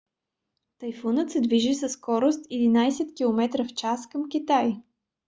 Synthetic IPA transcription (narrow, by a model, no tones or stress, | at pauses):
t̪əjfunət̪sɛd̪viʒisəsːkɔɾost̪ɛd̪inajsɛt̪kʲilˠomɛt̪ɾəft͡ʃaskəmk̟ʲit̪aj